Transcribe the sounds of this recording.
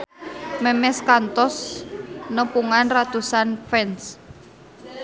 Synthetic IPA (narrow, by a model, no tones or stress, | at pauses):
mɛmɛskant̪ɔs | nəpuŋanrat̪usanfɛns